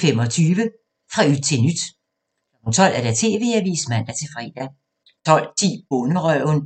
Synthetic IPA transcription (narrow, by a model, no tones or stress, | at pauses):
fem̰ɒ̽t͡sʰyːʋə | fʁɑ̈yd̥̚t͡sʰe̝lnyd̥ | kʰlɒ̽m̥n̩t͡sʰɒ̽l̰ʔæɐɾ̥æt͡sʰe̝̰ːʋe̝̰ːæʋḭːsmæn̰d̥æt͡sʰe̝fʁɛ̰d̥æ | t͡sʰɒ̽l̰t͡sʰḭːb̥ɔnəʁœʊn